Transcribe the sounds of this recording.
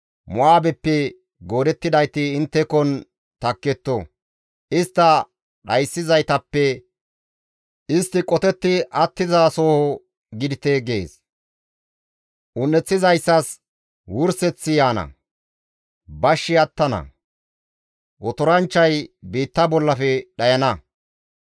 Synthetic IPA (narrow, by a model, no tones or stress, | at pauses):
mʊaːbɛpːɛ | ɡo̞ːd̪ɛt̪ːɪd̪ɐjt̪ɪɪnt̪ːɛkɔn | t̪ɐkːɛt̪ːɔ | ɪst̪ːɐ | ɗɐjsːɪzɐjt̪ɐpːɛ | ɪst̪ːɪkʼɔt̪ɛt̪ːɪʔɐt̪ːɪzasoːhɔ | ɡɪd̪ɪt̪eɡeːs | ʔʊnːɛt͡sːɪzɐjsːɐs | wʊɾsɛt͡sːɪjaːnɐ̰ | bɐʃːɪɐt̪ːɐnɐ̰ | wɔt̪ɔɾɐnt͡ʃːɐjbiːt̪ːɐbɔlːɐfɛɗɐjɐnɐ